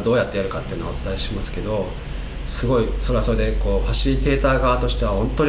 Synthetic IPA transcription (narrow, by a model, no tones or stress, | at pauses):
d̪oːjat̪ːejaɾɯ̟kat̪ːe̞iɯ̟noaot͡sɨ̥t̪aiɕimasɨ̥ke̞d̪o̞ | sɨɡo̞isoɾe̞βasoɾe̞d̪e̞koːɸaɕiiːt̪e̞ːt̪aːɡaβːt̪o̞ɕi̥t̪e̞β̞ahõ̞nt̪ːo̞ɲ̟